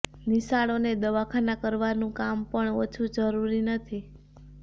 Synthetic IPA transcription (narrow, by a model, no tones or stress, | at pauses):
nisaɭoned̪əʋakʰanakəɾʋanũkampəɳot͡ʃʰud͡ʒəɾuɾinət̪ʰi